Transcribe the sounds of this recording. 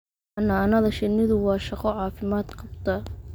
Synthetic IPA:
ɑnaːnɐðɐʃɪnːɪðʊwɑːʃɑqɔʕɑːfɪmaːd̪qʰɑb̚t̪ʰɐ

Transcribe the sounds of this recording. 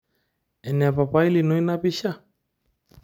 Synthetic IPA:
enepapailinuinapiɕa

